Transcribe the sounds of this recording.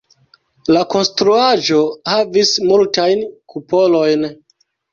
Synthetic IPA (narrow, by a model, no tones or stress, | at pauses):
lako̞nstɾuaʒo̞havismultajnkʰupo̞lo̞jn